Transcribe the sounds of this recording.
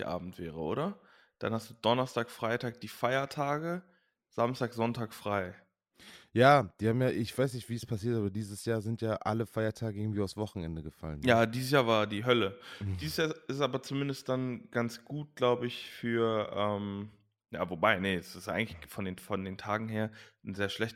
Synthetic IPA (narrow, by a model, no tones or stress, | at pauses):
ʔa̰ːbm̩tv̥ɛːʁ̞əʔo̰ːɾɐ | d̥a̰nhastd̥uːd̥ɔnɐstaːkfʁ̥aɪtʰaːk̚d̥iːfaɪɐtʰaːɡə | z̥amstaːkz̥ɔntʰaːkfʁ̥aɪ | jaːd̥iːhaːbmjaːʔɪçv̥aɪsnɪçtv̥iːspʰasiːɐtʔaːbɐdiːzəsjaːɐzɪntjaːʔa̰ləfaɪɐtʰaːɡəʔɪɡŋ̩tv̥iːaʊsv̥ɔχn̩ɛ̰ndəɡəfa̰lənjaːdiːzəs̬jaːɐvaːɐdiːɦœləd̥iːzəsjaːʔɪstʔaːbɐt͡sumɪndəstd̥anɡ̥ant͡sɡ̥uːt̚ɡ̥laʊbəɪçfyːɐʔɛːm | ja̰ːvobaɪnəɛsɪsʔaɪɡŋtlɪçfɔndeːnfɔndeːntʰaːɡŋ̩ɦeːɐn̩zeːɐʃlɛçt